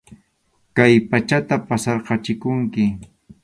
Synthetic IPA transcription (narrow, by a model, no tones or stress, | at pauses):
kajpat͡ʃat̪apasɑɾqɑt͡ʃɪkʊŋkɪ